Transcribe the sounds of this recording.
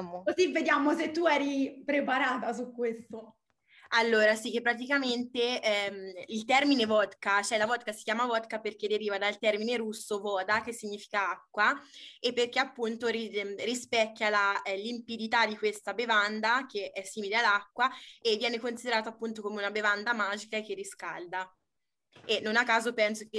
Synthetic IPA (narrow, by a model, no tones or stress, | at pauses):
okozivːed̪jaːmoset̪ːuɛːɾipɾepaɾaːt̪asukːwest̪o | alːoːɾasik̟ːepːɾat̪̬ikament̪eɛmilt̪ɛrminevɔd̪kat͡ʃoɛlːavɔd̪̚kasikjaːmavɔd̪kaperk̟ed̪ːeɾiːvad̪alt̪ɛrmineɾusːovɔːd̪ak̟esːiɲːiːfi̥kaakːwaepːerk̟eapːunt̪oɾirispɛkːjalalimpid̪it̪ad̪ikwest̪abevand̪ak̟eʔɛsːiːmilealːakːwaevːjɛːnekonsid̪eɾaːt̪oapːunt̪okoːmeunabevand̪amaːd͡ʒikaek̟erːiskald̪a | enːonakːaːzopɛnsoke